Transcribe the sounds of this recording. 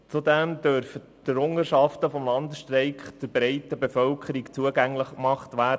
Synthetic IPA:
t͡sudɛmd̥œɾfə | tɾʊŋəʃɑftəfɔmlɑnd̪əsʃtrɛɪkχd̥ɪɾbɾɛɪtəbefœlkʰəɾikt͡suəɡæŋləχkmɑχtʋæː

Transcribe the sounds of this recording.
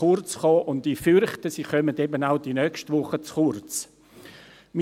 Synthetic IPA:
ʊrt͡sχɔːʔʊndifʏɾχtəsiχœmədɛbənaʊdinœkʃtʋʊχət͡sχʊrt͡s | mi

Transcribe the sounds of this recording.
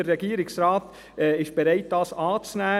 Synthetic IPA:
əɾːɛɡiːəɾɪksɾɑːt | ɛɪʃb̥eɾɛɪt̚d̥ɑːsɑːt͡snæː

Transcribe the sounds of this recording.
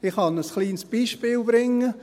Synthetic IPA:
ɪχhɑnəsχliːnsb̥iːʃpɪːlbɾɪŋːə

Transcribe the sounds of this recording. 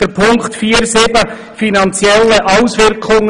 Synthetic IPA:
əpʰʊŋktfiːəɾsɪbə | finɑnt͡sjɛlːəʔɑʊsʋɪɾkʰʊŋ

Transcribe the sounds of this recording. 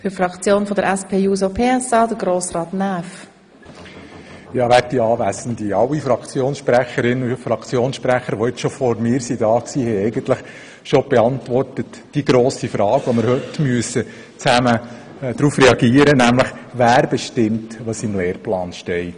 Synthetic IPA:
fyɾfɾɑkt͡sjoːnfɔdəɾʔɛspʰeːjuːzopʰeːɛsɑːdəɡɾoːsrɑːt̪næːf | jɑːʋæɾ̚diɑːʋæsən̩d̪iɑwːifɾɑkt͡sjoːnsʃpɾæχəɾɪnːufɾɑkt͡sjoːnsʃpɾæχəɾʋɔɪt͡sʃofɔɾmɪːɾsidɑːksiːhɛjɛɪɡənt̪ləχ | ʃob̥ɛɑntʋɔrtət | d̥iɡɾoːsifɾɑːɡ̥ʋɔməɾhɵtmyəsə | t͡sæmə | d̥ɾuːfrɛɑɡ̥iːəɾənæmləχʋæːɾbɛʃtɪmt̪ʋosimleːɾplɑːnʃtɛɪt

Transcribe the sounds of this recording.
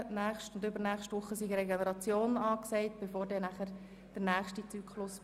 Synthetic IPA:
næːχʃtʊndʏbəɾnæːχʃtʋʊχːəsiɡɾɛɡenəɾɑt͡sjoːnɑːksɛɪt̚b̥efoːɾdɛnæχəɾ | d̥əɾnæːχʃtit͡syːkχlʊs

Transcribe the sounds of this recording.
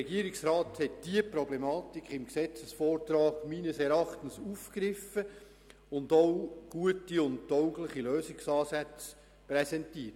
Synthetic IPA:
ɛɡiəɾiksɾɑːthɛt̚d̥iəpɾɔblɛmɑːtikχɪmksɛt͡səsfɔːrtɾɑːɡmiːnəsɛɾɑχtənsufkɾɪfə | ʊndoʊɡ̥uətiʊnt̚tɔʊɡləχiløːsɪksɑːsæt͡s | pɾɛsɛntiət

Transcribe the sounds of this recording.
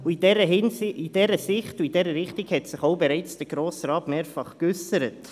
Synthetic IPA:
uidɛɾəɦnid̥ɛɾəsɪχtuidɛɾəɾɪχtiɡhɛtsɪχowbɛɾaɪt͡sd̥əɾɡɾoːsɾɑːtmeːɾfɑχkʏsəɾət

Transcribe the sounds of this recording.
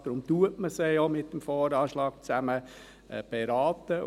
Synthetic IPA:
d̥ɾʊmtuətməsejomɪtːəmfɔːɾɑːʃlɑːk̚t͡sæmə | b̥ɛɾɑːt̪ə

